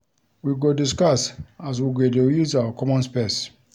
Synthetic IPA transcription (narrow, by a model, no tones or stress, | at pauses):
wiɡodis̬kasas̬wiɡedejuzawəkʰɔmɔ̃nspes